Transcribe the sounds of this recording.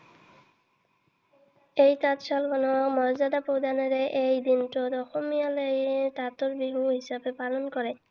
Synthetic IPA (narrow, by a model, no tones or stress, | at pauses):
ejtatʃalɡɔnɔmɔɹzad̪apɹowd̪anɔɾeʔejd̪intɔd̪ɔxomijalɔjetatɔɹbiɦuɦisabepalɔnkɔɹɛ